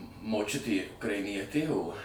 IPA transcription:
moːˈt͡ʃʲʊtʲeː ʊkrɐɪˈnʲiɛtʲeː oː

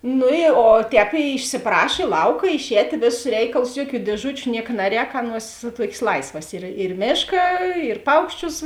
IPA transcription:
ˈnʊ ɪ oː ˈtʲɛːp ɪʃʲsʲɪˈprɐʃ ɪ ˈlˠɐʊkɐ ɪʃʲˈɛːtʲeː ˈʋʲeːˌsʊs ˈrʲɛɪkɐlˠʊs ˈjuɔˌkʲuː dʲiɛˈʒʊt͡ʃʲʊ ˈnʲiɛkɐ ˈnɑːˌrʲɛːk ˈɑːˌnuɔs ˈtuɔkʲeːs ˈlˠɐɪsʋɐs ɪr ɪr ˈmʲeːʃkɐ ɪr ˈpɐʊkʃʲˌt͡ʃʲʊs

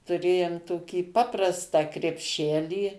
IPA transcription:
tʊˈrʲeːjʊm toːˈkʲiː ˈpɑːprɐstɑː krʲɛpʲˈʃʲæːlʲiː

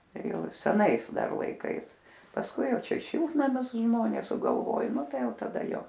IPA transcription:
ˈjɛʊ sʲɛˈnɐɪs ˈdɐr lˠɐɪˈkɐɪs pɐsˈkʊɪ ˈjɛʊ ˈt͡ʃʲɛ ˈʃʲɪlˠtnɐmʲʊs ˈʒmoːnʲeːs sʊɡɐlˠˈʋoːj ˈnʊ ˈtɐɪ ˈjɛʊ tɐˈdɐ ˈjoː

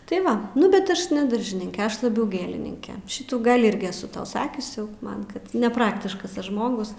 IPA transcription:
tɐɪ ˈʋɐ nʊ bʲɛt ˈɐʃ nʲɛ ˈdɐrʲʒʲɪnʲɪŋʲkʲɛ ˈɐʃ lˠɐˈbʲɛʊ ˈɡʲeːlʲɪnʲɪŋʲkʲɛ ˈʃʲɪtuː ˈɡɐlʲ ˈɪrʲɡʲɪ ɛˈsʊ ˈtɐʊ ˈsɑːkʲʊs jɛʊ ˈmɐn ˈkɐt nʲɛˈprɑːktʲɪʃkɐs ˈɐʃ ˈʒmoːɡʊs

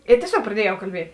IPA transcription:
ɪ tʲiɛˈsʲoːk prɐˈdʲiɛjɛʊ kɐlʲˈbʲiɛtʲ

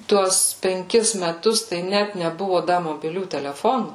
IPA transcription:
ˈtuɔs pʲɛŋʲˈkʲɪs mʲɛˈtʊs tɐɪ ˈnʲæt nʲɛˈbʊʋoː ˈdɐ moːbʲɪˈlʲuː tʲɛlʲɛˈfoːnuː

